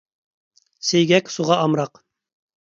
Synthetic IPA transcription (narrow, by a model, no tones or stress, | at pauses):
sejɡʲɛkʲsuʁɑʔɑmɾɑq